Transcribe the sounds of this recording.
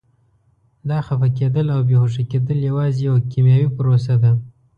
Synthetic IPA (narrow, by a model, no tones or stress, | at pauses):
d̪ɑxafaked̪əlawbehoʂaked̪əljawɑzejawakimjɑwipʊɾos̬ad̪a